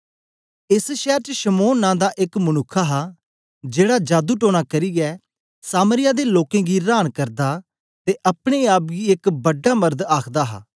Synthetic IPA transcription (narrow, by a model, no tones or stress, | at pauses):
ɪsʃɛːɾt͡ʃəʃəmoːnːãːd̪aːʔɪkmənʊkʰːaːɦaː | d͡ʒeːɽaːd͡ʒaːd̪uːʈoːɽ̃aːkəɾiːɡɛː | saːməɾɪjaːd̪eːloːkẽːɡiːɾaːnkəɾd̪aː | t̪eːʔəpɽ̃eːaːp̚ɡiːɪkbəɖːaːməɾd̪aːkʰd̪aːɦa̰ː